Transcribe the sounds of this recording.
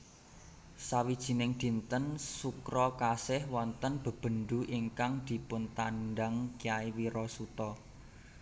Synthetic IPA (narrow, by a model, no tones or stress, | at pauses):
sawid̥ʒ̥i̤nɪŋd̪̥i̤nt̪ənsukɾɔkasɪhwɔnt̪ənb̥ə̤b̥ə̤nd̪uʔiŋkaŋd̪̥i̤pʊnt̪anɖaŋkiaiwiɾɔsut̪ɔ